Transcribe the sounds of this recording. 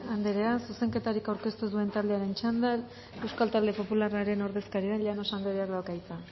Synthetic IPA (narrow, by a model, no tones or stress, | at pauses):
and̪eɾe̞asuse̞ŋke̞t̪aɾikawɾke̞st̪uðue̞nt̪ald̪e̞aɾe̞nt͡ʃand̪al | e̞wskalt̪ald̪e̞po̞pularaɾe̞no̞ɾðe̞skaɾiaʎano̞sand̪eɾeakd̪alkajt͡sa